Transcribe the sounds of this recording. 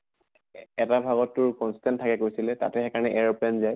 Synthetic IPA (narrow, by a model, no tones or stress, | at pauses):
ɛtabʱaɡɔtːʊɹkɔnsi̥tɛntʰːakɛkoɹsilɛta̰tɛxɛkaɹnɛʔɛɹɔplɛnzaj